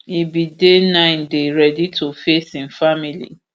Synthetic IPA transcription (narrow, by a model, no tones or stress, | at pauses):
ibidenãɪ̃ndeɹɛditofesĩnfamilḭ